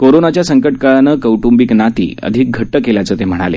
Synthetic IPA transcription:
koɾonat͡ɕjasəŋkəʈ̚kəɭnəːkəwʈumbiknat̪ḭːə̰d̪ʱiːk̚ɡʱəʈːəkeljat͡səːt̪em̤əɽ̃a̰lḛ

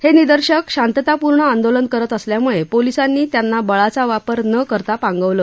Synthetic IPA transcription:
henid̪əɾɕəkɕant̪jət̪apuɾɳəãnd̪olənkəɾət̪əsljamuɭepolisanːiːt̪janːabəɭat͡saʋapəɾnəkəɾt̪apãŋɡəʋləː

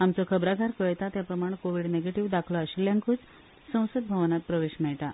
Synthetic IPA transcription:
amt͡sɔkʰəbɾaɡʱaɾkəɭt̪at̪japɾəmaɽ̃koʋiɽneɡeʈiʋd̪akʰlɔaɕiljaŋkuːt͡s | sə̃w̃səd̪̚bʱəʋnat̪̚pɾəʋeɕmɛɭʈa

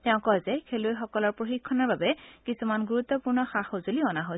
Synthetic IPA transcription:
tɛʊ̃kɔzɛkʰelojxɔkɔlɔɹpɹoxikʰːɔnɔɹbabɛkisumanɡuɹut̪ːɔpuɹnɔxaxozoliɔnaɦo

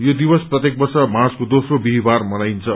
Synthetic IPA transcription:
jod̪ibʌsprʌt̪jek̚bʌrsʌmaskod̪osrobiɦibarmʌnajnt͡sʰʌ

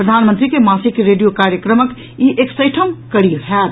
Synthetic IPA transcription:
pɾəd̪ʱaːnmənt̪ɾikemaːsikɾeɖijokaɾjəkɾəmək | iʔeksəɪʈʰəmkəɽiɦɛt̪

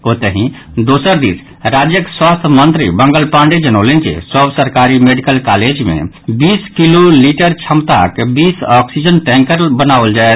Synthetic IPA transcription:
ot̪əɦĩ | d̪osəɾd̪is | ɾad͡ʒjəkswast̪ʰmənt̪ɾḭbəŋɡəlpãɳɖed͡ʒənəʊlend͡ʒḛsəbsəɾkaɾimeɖikəlkaled͡ʒmḛ̃ | biskiloliʈəɾt͡ʃʰəmt̪a̰kebisɔksid͡ʒənʈɛ̃ŋkəɾbənawld͡ʒae

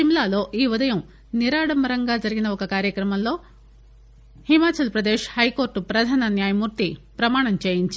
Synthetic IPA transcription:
ʃimlaːlo̞ːʔiːʋud̪ɐjɐm | niɾaːɽɐmɐɾɐŋɡaːd͡ʒɐɾiɡinɐɔkɐkaːɾjɐkɾɐmɐmlo̞ː | himaːt͡ʃɐlpɾɐd̪ɛːʃhɐjko̞ːɾʈupɾɐd̪ʱaːnɐnjaːjɐmuːɾt̪ipɾɐmaːɳɐmt͡ʃeːjiɲt͡ʃ

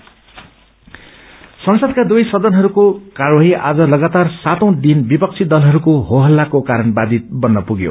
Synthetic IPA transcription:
sʌŋsʌd̪̚kad̪ujsʌd̪ʌnɦʌɾukokaɾoɦiʔa̰d͡zʌlʌɡat̪arsat̪ʌw̃d̪inbipʌk̚t͡sʰid̪ʌlɦʌɾukoɦoɦʌlːakokaɾʌnbad̪it̪̚bʌnːʌpuɡjo̰

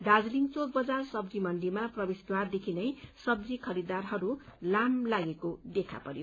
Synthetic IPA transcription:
ɖad͡zliŋt͡sok̚bʌd͡zarsʌbd͡zimʌnɖimaprʌbesd̪ward̪ekʰinʌjsʌb̚d͡zikʰʌɾid̪arɦʌɾulamlaɡekod̪ekʰa̰pʌɾjo

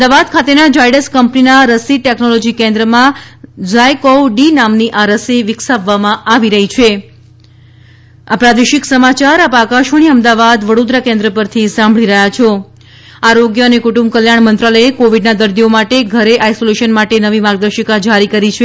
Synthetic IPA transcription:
əmd̪aʋad̪kʰat̪enad͡ʒajɖəskəmpninaɾəsiʈeknɔlɔd͡ʒikẽnd̪ɾəmãd͡ʒajkowɖinamniʔaɾəsiʋɪksaʋːamãʔaʋiɾəɦit͡ʃʰe | apɾad̪eʃɪksəmat͡ʃaɾapakaʃʋəɳ̃iəmd̪aʋad̪ʋəɽod̪ɾakẽnd̪ɾəpəɾt̪ʰisãmbʱɭiɾəɦjat͡ʃʰo | aɾoɡjəənekuʈũmbkəljaɳ̃mənt̪ɾaləekoʋiɖnad̪əɾd̪iomaʈeɡʱəɾeʔajsoleʃənmaʈenəʋimaɡ̚d̪əɾʃəkad͡ʒʱaɾikəɾit͡ʃʰe

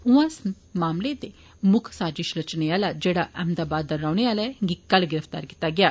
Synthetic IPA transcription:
ʊ̃ãs | maːmled̪e | mʊkʰsaːd͡ʒɪʃlət͡ʃneaːlad͡ʒeːɽaʔɛmd̪aːbaːd̪ːəɾːaːɽeaːlaɡikɐlɡɪɾəfʰt̪a̰ːɾki̥ːt̪aɡɪjaː

